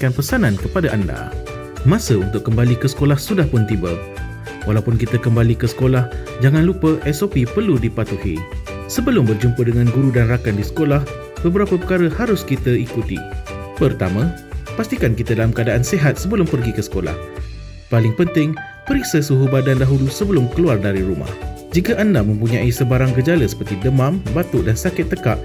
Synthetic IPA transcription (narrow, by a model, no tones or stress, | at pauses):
kanpəsanankəpadaʔanda̰ | mãsəunt̪ʊʔ̚kːəmbalikəsə̥kolahsudahpʊnt̪ibə̰ | walawpʊnkit̪əkəmbalikəsə̥kolah | d͡ʒaŋãnlupəʔɛsopipərludipat̪uhḭ | səbəlʊmbərd͡ʒumpədəŋãnɡuɾudanrakandisə̥kolah | bəbəɾapəpəkaɾəhaɾʊskit̪əikut̪ḭpərt̪a̰mã | past̪ikankit̪adalamkəadaʔanseɦat̪̚səbəlʊmpərɡikəsə̥kola̰h | palɪŋpənt̪ɪŋ | pəɾiksəsuɦubadandaɦulusəbəlʊmkəluardaɾiɾuma̰hd͡ʒikaʔandamə̃mpuɲãʔisəbaɾaŋkəd͡ʒaləsə̥pərt̪idəmãmbat̪ʊʔdansakɪt̪ːəkaʔ